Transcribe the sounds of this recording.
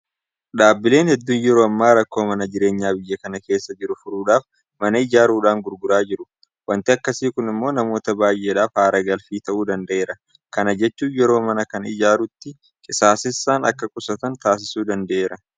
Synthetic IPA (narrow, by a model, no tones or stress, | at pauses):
ᶑaːbːɪle̞ːnhɛd̪ːuːnjɛɾoːɐmːaːɾɐkːoːmɐnɐd͡ʒɪɾe̞ːɲːaːbɪjːɐkɐnɐke̞ːsːɐd͡ʒɪɾʊfʊɾuːᶑaːf | mɐnɐɪd͡ʒaːɾuːᶑaːŋɡʊɾɡʊɾaːd͡ʒɪɾʊ | wɐnt̪ɪɐkːɐsiːkʊnɪmːo̞ːnɐmo̞ːt̪ɐbaːjʔeːᶑaːfhaːɾɐɡɐlfiːt̪ɐʔuːd̪ɐnd̪ɐʔeːɾɐ | kɐnɐd͡ʒɛt͡ʃːuːjɛɾo̞ːmɐnɐkɐnɪ̰d͡ʒaːɾʊt̪ːɪ | kʼɪsaːsɪsːaːnɐ̰kːɐkʼʊsɐt̪ɐnt̪aːs̬ɪsuːd̪ɐnd̪ɐʔeːɾɐ